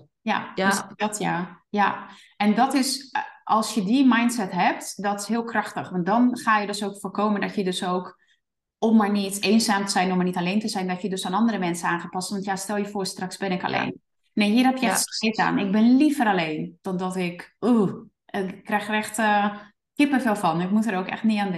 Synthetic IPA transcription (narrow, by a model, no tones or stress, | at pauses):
ja̰dɔtʰja̰ | ja | ɛndɔtɪsʔɔlˠsjədimajntsɛtɦɛp̚tdɔtɪ̥shiəlˠkrɔxtəxʋɔnt̚dɔnxaːjədøsoːkfoːrkʰoːməndɔtjədøsoːk | omːaɹniteːnzaːmtəz̥ɛjnomanitaleːntəzɛjndɔtjədøsaːnɔndərəmɛnsənaːnxəpɔstʋɔntjastɛlˠjəfoːɹstraksbɪnɪka̰lʔḛːn | nːeːɦiərɦɛpjəɛxssɪta̰ːnɪk̚bɪnlifəɾaleːnd̥ɔndɔtɪku | əkːrɛxrɛxtə | hipəfeːlˠfɔnɪkmutəɾowkɛ̰xtnɪanɪ